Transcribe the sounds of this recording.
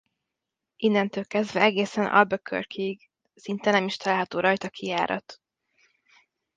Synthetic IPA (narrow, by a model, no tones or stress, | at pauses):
ʔinːɛnt̪øːlkɛzd̪vɛɛɡeːsɛnʔɒ̰lbøkʰø̰rkʰiːɡ | sint̪ɛnɛmiʃt̪ɒlaːlɦɒt̪oːɾɒjt̪ɒkʰijaːɾɒ̰t̪